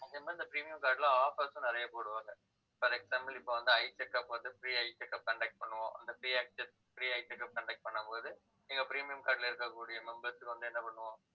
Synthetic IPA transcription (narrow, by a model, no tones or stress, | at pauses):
ɪŋɡɐmaɪnd̪ɐpɪɾiːmɪjɐmkaːɾʈɪlɐaːfɐsʊ̃nɪɾɐjɐpoːɽɯʋaːŋɡɐ | fɐɾɛksaːmbɐlɪpːoːʋɐnd̪ɯɐɪt͡ʃɛkːɐpːoːðɯpɪɾiːɐɪt͡ʃːɛkːɐp̚kɐɳɖɛk̚ʈ̚pɐɳːɯʋõ̰ːʔɐ̰nd̪ɐpɪɾiːæːk̚sɛs | pɾiːɐɪt͡ʃɛkːɐp̚kɐɳɖɛk̚ʈ̚pɐɳːɐmpoːðɯ | niŋɡɐpɪɾiːmɪjɐmkaːɾɖɪlɐɪɾɯkːɐkːuːɽɪjɐmɛmbɐɾsɯkːɯʋɐnd̪ɯɛnːɐpɐɳːɯʋõː